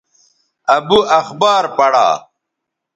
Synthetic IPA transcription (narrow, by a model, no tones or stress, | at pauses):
ɐbuʔɐxbaːɾpɐɽa̰ː